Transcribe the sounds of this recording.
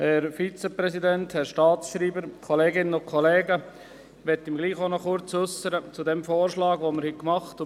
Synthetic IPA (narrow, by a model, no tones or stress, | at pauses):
hɛɾfit͡səpɾɛsidɛnthɛɾʃtɑːsʃɾiːbəɾkʰɔleːɡɪnənʊkʰɔleːɡə | ʋɛtːɪmɡ̥liːχonɔχʊɾt͡sʉsəɾət͡sudɛmfoːɾʃlɑːɡʋoməɾhɪt̚kmɑχtʊ